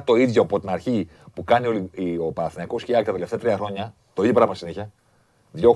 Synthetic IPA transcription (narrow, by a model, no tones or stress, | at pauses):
t̪o̞iðʝoɐpo̞t̪inɐɾçi | pukɐnioliio̞pɐɾɐθinɐikosciɐket̪t̪ee̞ft̪eɐt̪ɾiɐxɾo̞ɲɐ | t̪o̞iðjopɾɐmɐmɐsiniçɐ | ðʝo̞